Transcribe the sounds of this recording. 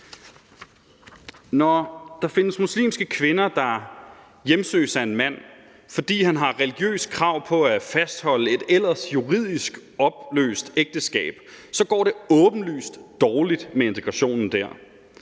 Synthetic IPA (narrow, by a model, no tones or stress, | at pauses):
nɒd̥ɑ̈fe̝nəsmuslḭːmsɡ̥əkʰʋe̝nɐd̥ɑ̈ | jemsø̰ːsæe̝nmæn̰ | fɒ̽d̥ḭːɦænɦɑ̈ʁɛliɡ̥jø̰ːskʰʁɑ̈ʊ̰pʰɒ̽æfæsd̥hɒ̽l̰əe̝d̥el̰ɐsjuʁið̞̰ˠisɡ̥ɒ̽b̥lø̰ːsd̥eɡ̥̚d̥əsɡ̥ɛ̰ːb̥sɒ̽ɡ̥ɒ̰ːɾe̝ɔ̽ːb̥n̩ly̰ːsd̥d̥ɒːlid̥mee̝nt͡sʰeɡ̥ʁɑ̈ɕo̝̰ːnn̩d̥æɐ̰